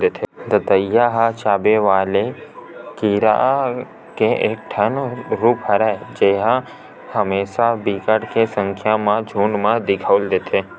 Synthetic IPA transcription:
d̪et̪ʰed̪ət̪əjaɦat͡ʃabeʋalekiɾa̰ | keʔek̚ʈʰənɾupɦəɾaed͡ʒeɦã | həmeʃabikəɽkesəŋkʰjamãd͡ʒʱuɳmãd̪ɪkʰəʋld̪et̪ʰe

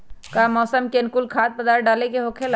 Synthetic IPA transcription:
kamɔːsəmkenkulkʰaːd̪̚pɐd̪aːɾɖaːlekeɦoːkʰela

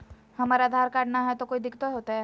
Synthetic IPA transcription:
hɐmaːɾad̪ʱaːɾkaːɽnaɦɛt̪okoːid̪ɪkt̪oɦoːt̪aɦɛ

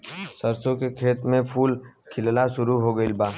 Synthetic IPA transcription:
sɐɾsõkekʰeːt̪mẽpʰuːl | kʰɪllaʃʊɾuɦoɡəilbaː

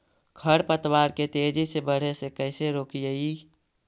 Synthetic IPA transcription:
kʰəɽpət̪waːɾket̪ed͡ʒisebəɽ̤esekəɪseɾoːkijəi

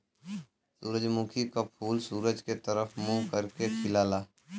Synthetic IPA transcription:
suːɾəd͡ʒmũkʰikapʰuːlsuːɾəd͡ʒket̪əɾəfmũkəɾkekʰɪlaːlaː

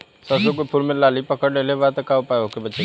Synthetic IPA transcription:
sɐsukopʰʊlmẽlaːlipɐkəɽleːleʋaːt̪əkaːopaːjokebɐt͡ʃe

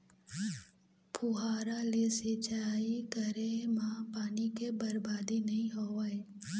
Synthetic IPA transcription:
pʰʊɦaːɾalesɪt͡ʃaːikəɾemãːpaːnikebəɾbaːd̪inɐɦĩɦoːae

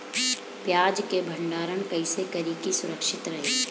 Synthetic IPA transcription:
pjaːd͡ʒkebʱɐ̃ɳɖaːɾənkɐɪsekɐɾiːkisʊɾəkʃɪt̪ɾɐɦeː

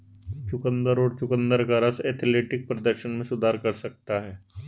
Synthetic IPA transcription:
t͡ʃʊkə̃nd̪əɾɔːɾt͡ʃʊkə̃nd̪əɾkaɾəsɛːt̪ʰleːʈɪk̚pɾɐd̪əɾʃənmẽsʊd̪ʱaːɾkɐɾsɐk̚t̪aɦɛː

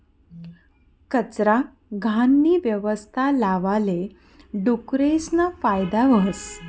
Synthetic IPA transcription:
kət͡sɾa | ɡʱanːiːʋjəʋəst̪ʰalaʋale | ɖukɾesnafajd̪aʋəɦəs

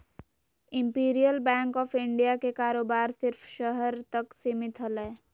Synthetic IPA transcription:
ɪ̃mpiːɾijəlbɛ̃ːŋkɔːfɪ̃ɳɖijakekaːɾoːbaːɾsɪɾfʃəɦəɾt̪ɐksiːmɪt̪ʰɦəlɛː

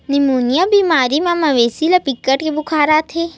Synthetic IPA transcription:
nimunjabimaːɾimãmãʋeːsilapikːəʈkebʊkʰaːɾat̪ʰe

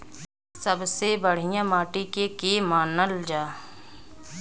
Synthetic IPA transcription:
səbsebəɽ̤ijãmaːʈikekemaːnəld͡ʒaː

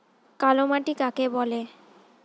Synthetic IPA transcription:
kalomaʈikakebɔle

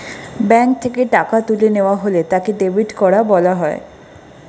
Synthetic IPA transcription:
bɛŋk̚t̪ʰekeʈakat̪uleneoaɦolet̪akeɖebʱiʈkɔɾabɔlaɦɔe

